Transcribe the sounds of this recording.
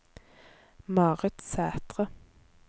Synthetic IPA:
mɑːʁət̪sæːt̪ʁə

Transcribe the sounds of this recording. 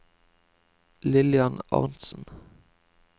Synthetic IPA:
lɪlɪɑnɑ̰ʁnsn̩

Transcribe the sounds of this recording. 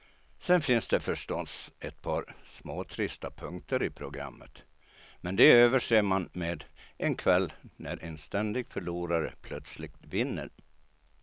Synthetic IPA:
sɛnfɪnsd̪ɛfœʂʈɔsɛt̪̚pʰɑːɾsmoːt̪ʰɾɪst̪apʰɵŋk̚t̪əɾɪpʰɾʊɡɾa̰mːə̰t̪ | mɛnd̪ɛøːvəʂeːmanmeːd̪ʔɛnkʰvɛlːnæɾʔɛnst̪ɛnd̪ɪɡfœɭuːɾaɾə̰pʰlœt̪slɪk̚t̪vɪnːə̰ɾ

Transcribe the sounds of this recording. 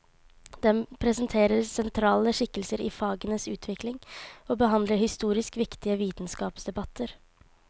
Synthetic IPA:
d̪ɛmpʰɾɛsənt̪ʰeːɾəɾsɛnt̪ʰɾɑːləʂɪkːəlsəɾɪ̰fɑːɡənəsʉːt̪ʰʋɪklɪŋoːbəɦɑnd̪ləɾhɪst̪uːɾɪskʋɪkt̪ɪəʋiːt̪nskɑːpsd̪ɛbɑt̪ʰːəɾ

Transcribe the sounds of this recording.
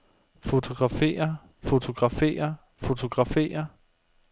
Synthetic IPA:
fo̝t͡sʰo̝ɡ̥ʁɑ̈fḛːɐ | fo̝t͡sʰo̝ɡ̥ʁɑ̈fḛːɐ | fo̝t͡sʰo̝ɡ̥ʁɑ̈fḛːɐ

